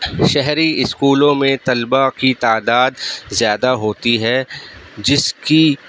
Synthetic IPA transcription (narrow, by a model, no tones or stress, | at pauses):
ʃɛɦɾiɪskuːlõmẽt̪ɐlbakit̪aːd̪aːd̪zjaːd̪aɦoːt̪iɦɛd͡ʒɪski